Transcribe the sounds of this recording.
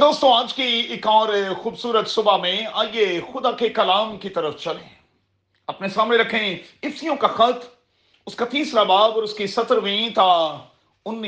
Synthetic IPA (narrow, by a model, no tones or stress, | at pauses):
d̪oːst̪õaːd͡ʒkiɪkɔːɾxuːbsuːɾət̪sʊbamẽa̰ːiexʊd̪akekɐlaːmkit̪ɐɾəft͡ʃɐlḛ̃ː | ɐpnesaːmneɾɐkʰẽɪfsijõkaxɐt̪ | ʊskat̪iːsɾabaːbɔːɾʊskisɐt̪əɾʋĩːt̪a | ʊnː